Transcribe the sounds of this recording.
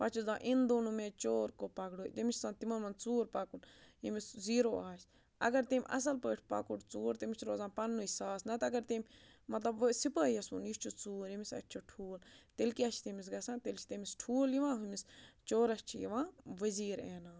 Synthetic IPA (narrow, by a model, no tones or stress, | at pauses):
pɐt͡ʃʰuzãːʔind̪oːnumẽːt͡ʃoːɾkopɐɡɽoːd̪emit͡ʃʰsãːt̪imɐnmɐnt͡suːɾpɐkunjimisziːɾoːaːsʲ | ɐ̰ɡɐɾt̪emʲʔɐ̰s̬ɐlpəːʈʰpɐ̰kuʈt͡suːɾt̪imit͡ʃʰɾoːzãːnpɐnːuisaːsnɐt̪ɐɡɐɾt̪emʲmɐt̪lɐbʋsipəːiɐsṵnjist͡ʃʰut͡suːɾimisɐ̰tːt͡ʃʰoʈʰuːlt̪elkiɐt͡ʃʰt̪emis̬ɡɐsãːt̪elt͡ʃʰi̥t̪emisʈʰuːljiʋãːɦumist͡ʃoːɾɐsʲt͡ʃʰijiʋãːʋɐziːɾeːnaː